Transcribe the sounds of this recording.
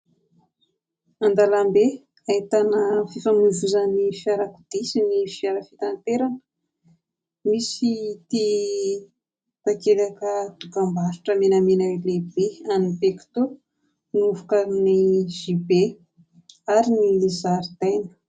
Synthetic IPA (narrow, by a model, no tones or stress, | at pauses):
and̪alambe | ait̪anəfifamuzuzanifiaɾaku̥d̪̥isinifiaɾafit̪ant̪eɾanə | misit̪i | t̪akelakət̪ukambaɾiʈ͡ʂəmenamenawelebeanibeki̥t̪u | nuvukaniʒ̥ibe | aɾinizaɾid̪̥ajnə̥